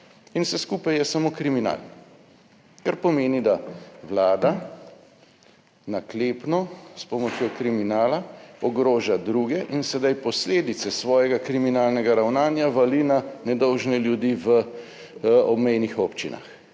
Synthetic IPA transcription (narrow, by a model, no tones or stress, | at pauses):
insɛskuːpajjɛsamokɾimina̰ːl | kaɾpɔmeːnid̪awlaːd̪a | nakleːpnɔspɔmɔt͡ʃjokɾiminaːlaɔɡɾoːʒad̪ɾuɡɛʔinsɛd̪ajpɔsleːd̪it̪sɛsʋɔːjɛɡakɾiminaːlnɛɡaɾawnaːnjaʋalinanɛd̪ɔwʒnɛljud̪iːʋə | ɔbmɛjnixoːpt͡ʃina̰x